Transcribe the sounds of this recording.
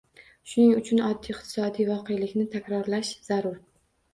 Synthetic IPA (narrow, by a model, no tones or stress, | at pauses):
ʃʊnɪŋʊt͡ʃʰʊnɒd̪ːijɪqt̪ɪ̥sɒd̪ijvɒqʰejlɪkʲnɪt̪ʰakʲɾɒɾlaʃz̥aɾʊɾ